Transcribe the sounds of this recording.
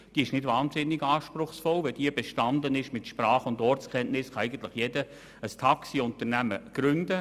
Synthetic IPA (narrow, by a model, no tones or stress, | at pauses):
d̥iːɪʃnɪdvaːnzɪnːɪɡaːʃpɾʊχsfɔlʋɛd̥iəbeʃtɑnd̪ənɪʃmɪtʃprɑːχʊndɔrtskʰɛnʔnɪsχɑæɪɡəntlɪχjɛdə | əst̪ʰɑksiʊnt̪ənæməɡ̥ɾʉndə